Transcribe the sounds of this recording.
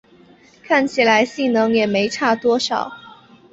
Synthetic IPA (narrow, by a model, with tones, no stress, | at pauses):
kʰa˥˩nt͡ɕʰi˨˩la˧˥ɪɕi˥˩ŋnɤ˧˥ŋjɛ˨˩me˧˥ɪʈ͡ʂʰa˥˩t̪wɔ˥ʂɑ˨˩˦ʊ